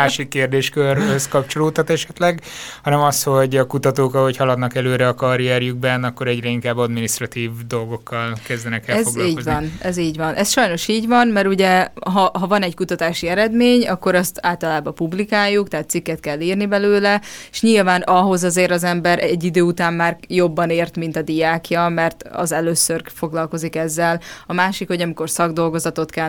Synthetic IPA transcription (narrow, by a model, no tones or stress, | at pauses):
aːʃikːeːrd̪eːʃkørøskɒp̚t͡ʃo̞loːt̪ɒt̪ɛʃɛt̪lɛɡhɒnɛmɒsho̞ɟɒkut̪ɒt̪oːkɒho̞chɒlɒd̪nɒkɛløːɾɛɒkɒɾiɛɾjyɡ̚bɛnɒkːo̞ɾɛɟɾɛiŋkaːbːɒd̪miniʃt̪rɒt̪iːvd̪o̞lɡo̞kːɒlkɛzd̪ɛnɛkɛlɛzoɡliːɟkoovɒnɛziːɟʋɒnʔɛsʃɒjno̞ʃiːɟvɒnmɛɾuɟɛɦɒɦɒvɒnɛckut̪ɒt̪aːʃiɛɾɛd̪meːɲɒkːo̞ɾɒst̪aːlt̪ɒlaːbɒpublikaːjːukt̪ɛɦaːt̪ːsikːɛt̪kɛlːiːrnibɛløːlɛe̥ʃɲilvaːnɒɦo̞zɒzeːɾɒzɛmbɛɾɛɟːid̪øːut̪aːmːaːrjo̞bːɒneːrt̪min̪t̪ɒd̪iaːkjɒmɛrt̪ɒ̰zɛløːsørfo̞ɡlɒlko̞zikɛzːɛlɒmaːʃikho̞ɟɒmiko̞rsɒɡd̪o̞lɡo̞zɒt̪o̞t̪kɛ